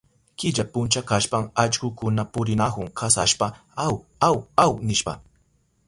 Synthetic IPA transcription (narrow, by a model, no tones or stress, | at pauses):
kɪʎapʊnt͡ʃakaʃpaŋat͡ʃkʊkʊnapʊɾɪnakʊŋkʰasaʃpa | aw | awawnɪʃpa̰